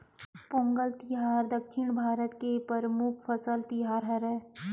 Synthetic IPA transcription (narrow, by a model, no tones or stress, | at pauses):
põːŋɡəlt̪ɪɦaːɾd̪əkʃɪɳ̃bʱaːɾət̪kepəɾəmuk̚ʰpʰəsəlt̪ɪɦaːɾɦɐɾɛː